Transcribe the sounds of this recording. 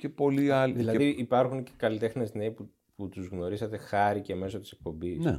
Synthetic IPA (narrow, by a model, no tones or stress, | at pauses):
cepo̞liɐlðilɐðiipɐɾxunce̥kɐlit̪e̞xne̞zneipu | put̪uzɣno̞ɾisɐt̪e̞xɐɾiceme̞so̞t̪ise̞k̚po̞mbise